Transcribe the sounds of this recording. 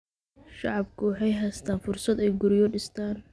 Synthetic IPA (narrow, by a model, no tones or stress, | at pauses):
ʃɑʕɑbkʰʊwɑħɑjɦɛst̪ʰaːnfʊrsɐd̪ɛjɡʊɾɪjɔɖɪst̪ʰaːn